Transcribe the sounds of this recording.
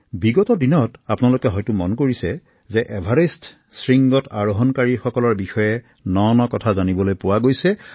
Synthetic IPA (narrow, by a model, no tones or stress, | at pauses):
biɡɔtɔdinɔtapnalokɛɦɔjtʊmɔnkoɹisɛ | zɛʔɛbʱaɹest | sɹiŋɡɔtaɹuɦɔnkaɹixɔkɔlɔɹbixɔjɛ | nɔnɔkɔtʰazanibɔlojpʊwaɡojsɛ